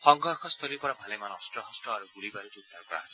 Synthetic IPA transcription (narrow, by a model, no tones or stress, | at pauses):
hɔŋɡɔɾkʰɔst̪ʰɔɾiɾpɔɾabʱalemanɔstɾɔɦɔsʈɾɔaɾuɡulibaɾutiud̪ʱːaɾkɔɾa̰asi̥